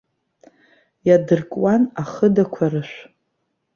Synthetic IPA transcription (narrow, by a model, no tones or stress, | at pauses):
jadɨrkʼwanaχədakʷʰarɨʃᶣʷ